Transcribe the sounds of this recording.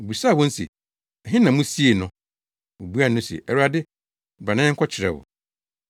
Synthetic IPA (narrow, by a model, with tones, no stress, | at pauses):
bu˨saː˦˨wɔ̃˦n̩˦sḛ˨ | ɛ˨ɦɪ̃˦nã˨mʊ̃˦si˦e˨nʊ̃˨ | wʊ˨bu˦a˦˨nʊ̃˦sḛ˨ʔɛ˨ɾu˦a˨dɪ˦˨ | ba˨nã˦ŋ̩˦kʰɔ˦t͡ɕʰɪ˨ɾɛ̰˨wʊ̰˨